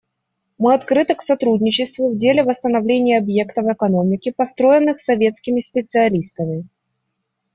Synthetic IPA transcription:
mɨɐt̪kɾɨt̪ɨksɐt̪ɾudʲnʲɪt͡ɕɪst̪vʊvdʲelʲɪvəst̪ənɐvlʲenʲɪjəɐbje̞kt̪əvəkɐno̞mʲɪkʲɪpɐst̪ɾo̞jɪnːɨxsːɐvʲet̪skʲɪmʲɪsʲpʲɪt̪sɨɐlʲist̪əmʲɪ

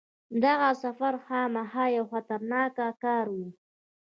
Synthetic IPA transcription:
d̪aɣasafaɾxɑmahɑjawxat̪aɾnɑkakɑːɾwu

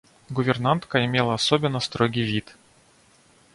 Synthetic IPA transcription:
ɡʊvʲɪrnant̪kəɪmʲelˠəɐsobʲɪnːəst̪ɾoɡʲijvʲit̪

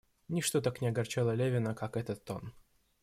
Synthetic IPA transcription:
nʲiʂt̪ot̪aknʲɪɐɡɐrt͡ɕɛlˠəlʲevʲɪnəkakɛt̪ət̪ːon

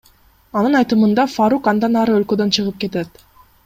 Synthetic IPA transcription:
ɑnɯnɑjt̪ɯmɯnd̪ɑfaɾukɑnd̪ɑnɑɾɯø̞lkø̞d̪ø̞nt͡ʃʰɯʁɯp̚ke̞t̪et̪

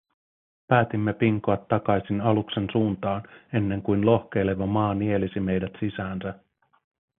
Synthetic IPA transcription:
pæːt̪imːe̞piŋkoɑt̪ːɑkɑjsinɑlukse̞nsuːnt̪ɑːne̞nːe̞ŋkujnlo̞hke̞jle̞ʋɑmɑːnie̞lisime̞jdæt̪sisæːnsæ

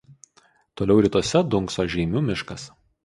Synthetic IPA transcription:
t̪oːlʲɛʊɾʲɪt̪uɔsʲɛd̪ʊŋksoːʒʲɛːmʲuːmʲɪʃkɐs

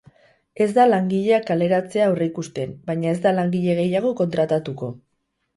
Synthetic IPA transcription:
e̞zd̪alaŋɡiʎe̞akale̞ɾat͡se̞aureikust̪e̞mbajɲae̞zd̪alaŋɡiʎe̞ɣ̞e̞jaɣ̞o̞ko̞nt̪ɾat̪at̪uko̞

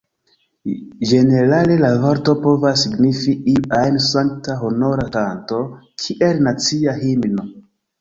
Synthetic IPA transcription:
d͡ʒe̞ne̞ɾale̞lavaɾto̞po̞vasːiɡnifiiajnsaŋk̚taɦono̞ɾakanto̞kʰiʔelnat͡siaɦimno̞

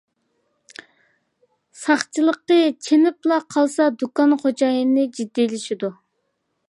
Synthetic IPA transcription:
sɑχt͡ʃʰɨlˠəqːət͡ʃʰenɪplˠɑqʰɑlˠsɑd̪ukɑnχod͡ʒɑjɨnɨd͡ʒid̪ːilɪʃid̪u

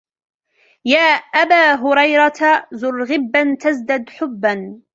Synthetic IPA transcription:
jaːʔabaːɦʊɾɑjɾˤɑt̪azʊrɣɪbːant̪azd̪ad̪ħʊbːan

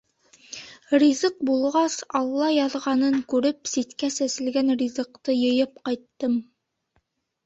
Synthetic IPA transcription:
rʲizɤq̚bulˠʁɑsɑlˠːɑjɑðʁɑnɤŋkʉɾɘpsit̪kæsæsɘ̆lɡænrʲizɤ̆qt̪ɤjɤ̆jɤpqɑjt̪ːɤm

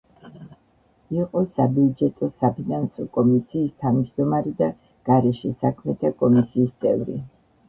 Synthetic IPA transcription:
iqʼɔsabiud͡ʒɛt̪ʼɔsapʰinansɔkʼɔmisiːst̪ʰavmd͡ʒd̪ɔmaɾɛd̪a | ɡ̥aɾɛʃisakʰmɛt̪ʰakʼɔmisiːst̪sʼɛvɾḭ

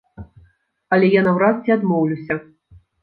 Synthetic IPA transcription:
ɐlʲɛjanɐwɾast͡sʲɛad̪mɔwlʲuwsʲɐ

